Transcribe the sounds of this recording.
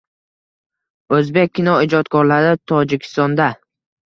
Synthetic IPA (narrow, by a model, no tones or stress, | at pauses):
ɵzbek̚ʲkːɪnɒɪd͡ʒɒt̪kʰɒɾlaɾɪt̪ʰɒd͡ʒɪkʲʰɪ̥st̪ɒnd̪a